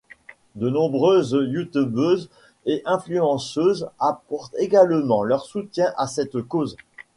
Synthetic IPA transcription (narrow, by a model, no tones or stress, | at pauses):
d̪ənɔ̃bʁøzjut̪ubøz | eʔɛ̃flyɑ̃søzapɔʁt̪eɡalmɑ̃lœʁsut̪jɛ̃ʔasɛt̪koz